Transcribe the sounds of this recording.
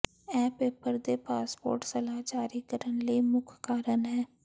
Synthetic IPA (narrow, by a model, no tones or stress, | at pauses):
ɛ̃ːpeːpəɾd̪eːpaːspo̰ːɾʈsəlaːd͡ʒaːɾiːkəɾənləiːmʊkʰkaːɾənɦɛː